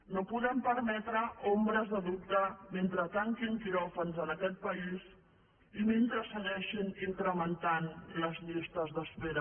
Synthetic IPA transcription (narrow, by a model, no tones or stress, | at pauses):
nopuðɛmpəɾmɛt̪ɾəombɾəzðəðup̚t̪əment̪ɾət̪aŋkiŋkiɾɔfənzənəkɛt̪̚pəiz | iment̪ɾəsəɣɛʃiniŋkɾəmənt̪anləzʎist̪əzðəspeɾə